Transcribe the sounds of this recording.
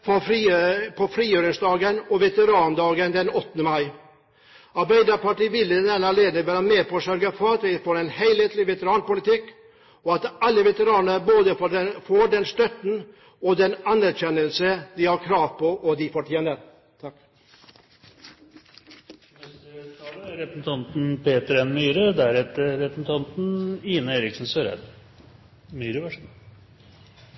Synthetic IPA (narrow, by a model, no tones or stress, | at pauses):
fɔfɾpʰɔfɾiːjøːɾɪŋsd̪ɑːɡənɔʋɛt̪əɾɑːnd̪ɑːɡənd̪ɛnɔt̪ːənəmɑɪ | ɑɾbæɪd̪əpɑʈiːʋɪlːənɛnɑleːd̪əʋæːɾəmeːpɔʂœɾɡəfɔɾɑt̪ʋɪfoːɾɛnhæɪlheːt̪lɪʋɛt̪əɾɑːnpʊlɪt̪ɪkː | ɔɑt̪ɑlːəʋɛt̪əɾɑːnəɾboːd̪əffoːɖɛnst̪œt̪n̩ | ɔd̪ɛnɑnæɾɕɛnːəlsəd̪ɪhɑɾkʰɾɑːʋpʰɔʔɔd̪ɪfɔʈʰjeːnəɾ | t̪ʰɑk | ɾɛp̩̪t̪ʰɑnt̪n̩pʰeːt̪əɾɛnmyːɾəd̪æɾɛt̪ːəɾɛpət̪ʰɑnt̪n̩iːnəeːɾɪksn̩søːɾɛ̰d̪ | myːɾəʋæʂn